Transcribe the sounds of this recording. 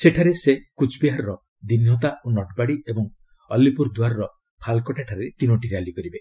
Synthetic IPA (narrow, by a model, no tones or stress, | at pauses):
seʈʰaɾesekut͡ʃʰbiɦaɾɔɾɔ | d̪injɔt̪aonɔʈbaɽiebɔŋ | ɔlːipuɾd̪uwaɾɔɾɔ | pʰalkɔʈʰaʈʰaɾet̪inɔʈiɾalikɔɾibe